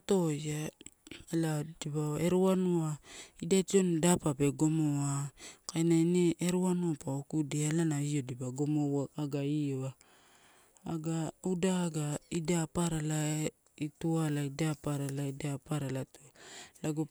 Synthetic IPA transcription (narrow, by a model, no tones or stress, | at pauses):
ato̞ja | ladiβaoe̞ɾuanuaidajtiondapape̞ɡo̞moakajnaineeɾuanuapaokudialanaio̞dibaɡo̞mowaaɡaioa | ɡaudaɡaidapaɾala | itualaidapaɾalaidapaɾalatulaɡo